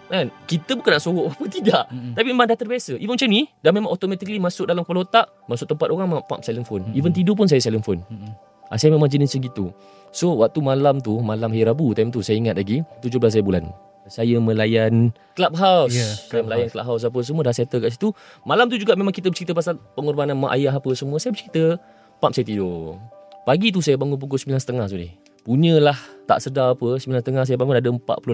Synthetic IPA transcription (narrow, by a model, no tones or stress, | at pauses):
mankit̪əbukanaʔsowoʔapət̪iɡaʔt̪apimemandaht̪ərbiasəʔivənmt͡ʃamnidamẽmãŋʔɔt̪omɛt̪ikəlimasʊk̚dalamkəpalot̪aʔ | masʊʔ̚t̪əmpat̪oɣaŋmapa̰p̚saləŋfonivənt̪idop̬ʊns̬ajəsaləŋfon | ʔa̰sajəmẽmaŋd͡ʒinisənɡit̪u | sowak̚t̪umalamt̪umalamɦajɾabut̪ajmt̪usajəiŋat̪̚laɡit̪ud͡ʒʊblas̬sajəbula̰n | sajəmə̃lajan | kəlap̚ɦawsːajəməlajankəlap̚ɦaws̬ap̬əs̬əmuədaset̪əkaʔs̬it̪umalamt̪̬ud͡ʒuɡaʔmemaŋkit̪̬əbət͡ʃəɾit̪əp̬asalpəŋurbananmaʔa̰jaɦapəsəmuəsajəbət͡ʃəɾit̪ə | pap̚sajət̪ido | paɡit̪̬usajəbaŋunp̬uɡʊsmilansə̥t̪əŋahs̬odɪh | puɲə̃laht̪a̰ʔsədaapəsəmilansət̪əŋahs̬ajəbaŋunadəəmpa̰ʔpulu